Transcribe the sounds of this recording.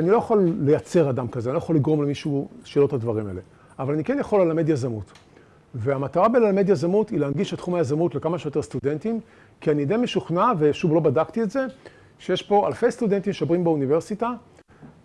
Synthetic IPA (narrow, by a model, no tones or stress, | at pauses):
anilo̞jaχolːe̞jat͡se̞ʁadamkazeanilojχoliɡʁo̞mlemiʃuuʃeːlo̞thadvaʁima̰ele̞ | avalanikenjaχolːelamedjazamut | veamataʁabelalamedjazamutileanɡiʃetχumajazamutle̞kamaʃejo̞te̞st̪ude̞ntim | kianidemeʃuχnave̞ʃuvlo̞badaktietze̞ | ʃejeʃpo̞alfe̞jst̪ude̞ntimʃobʁimbeunive̞ʁsita